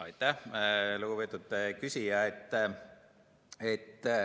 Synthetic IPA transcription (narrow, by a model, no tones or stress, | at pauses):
ɑjt̪ːˑæhlukupeːt̪ːˑud̪kysijɑet̪ː | et̪ː